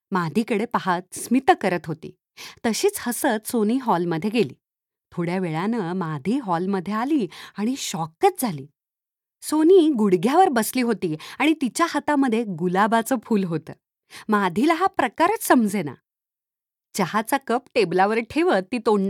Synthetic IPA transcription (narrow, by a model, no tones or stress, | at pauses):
mad̪ʱiːkəɽepaɦat̪̚smit̪kəɾət̪ɦot̪ḭː | t̪əɕiːt͡shəsət͡s̪soniːɦɔlməd̪ʱːjeɡelḭː | t̪ʰoɽjaʋeɭanəːmad̪ʱiːɦɔlməd̪ʱːjealiːaɽ̃iɕɔkət͡s̪̚d͡zʱaliː | soniːɡuɽɡʱjaʋəɾbəsliːɦot̪iːaɽ̃it̪it͡ɕjahət̪aməd̪ʱːjeɡulabat͡səːfʰuːlɦot̪ə̰ː | mad̪ʱilaɦapɾəkaɾət͡ssəmd͡zʱena̰ | d͡ʑəhat͡sakəpʈeblaʋəɾʈʰeʋət̪ːiːt̪oɳːa